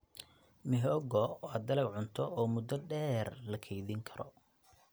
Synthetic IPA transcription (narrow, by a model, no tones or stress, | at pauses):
mɪɦɔːɡɔwd̪ɐlɛɡʕʊnt̪ʰɔɔːmʊd̪ɔɖɛːrlɐkʰɛjðɪŋkʰɐɾɔ̰